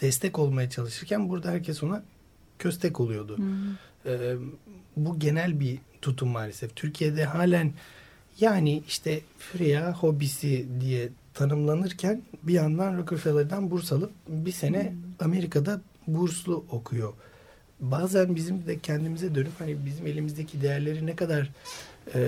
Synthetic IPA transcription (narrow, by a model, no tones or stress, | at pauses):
d̪̥ɛst̪ʰɛco̞lˠmajat͡ʃʰalˠɯʃɯɾcʰænbuɾd̪ahæɾcʰɛso̞na | cʰø̞s̬t̪ʰɛco̞lˠujo̞d̪u | ɛː | buɟe̞nælʲbit̪ʰut̪ʰumːaːlʲesɛft̪ʰyɾcʰijed̪ɛɦaːlʲæn | jaːniiʃt̪ʰɛfɾijaho̞bisid̪ijɛt̪ʰanɯmlˠanɯɾcʰænbijand̪anɾokʰufelˠaɾd̪anbuɾsalˠɯp̚bise̞nɛame̞ɾikʰad̪a | buɾslˠuʔo̞kʰujo̞ | baːzænbizimd̪ɛcʰænd̪imizɛd̪ø̞nyphanibizime̞lʲimizd̪ecʰid̪e̞jæɾlʲe̞ɾinɛkad̪aɾː